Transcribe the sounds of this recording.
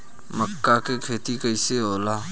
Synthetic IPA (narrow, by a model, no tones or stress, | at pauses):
məkːakekʰeːt̪ikəiseoːlaː